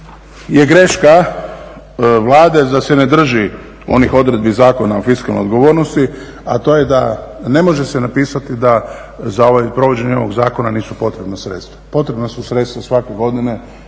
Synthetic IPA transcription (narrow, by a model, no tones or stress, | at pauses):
je̞ɡɾe̞ʃka | ʋlˠaːd̪e̞d̪asene̞d̪r̩ʒi | o̞̰nixo̞d̪ɾe̞d̪̚bizaːko̞naofiskalno̰jod̪ɡo̞ʋoɾnost̪i | a̰t̪o̞ːjed̪a̰ne̞mo̞ʒe̞senapiːsat̪id̪a | zao̞ʋajpɾo̞ʋo̞d͡ʑe̞ɲeo̞ʋo̞ɡzaːko̞naniːsupo̞t̪ɾe̞bnasɾḛt̪st̪ʋḁpo̞t̪ɾe̞bnasusɾe̞t̪st̪ʋasʋakeɡo̞d̪ine̞